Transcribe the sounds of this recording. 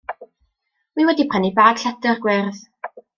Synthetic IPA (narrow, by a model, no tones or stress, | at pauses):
wiwɛdipʰanibaːd̥ɬadərɡwɛrð